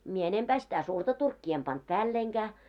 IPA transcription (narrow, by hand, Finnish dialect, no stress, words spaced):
mie enempæː sitæ surtɑ turkːiː em pɑnt pæːlːeiŋɡ̊æː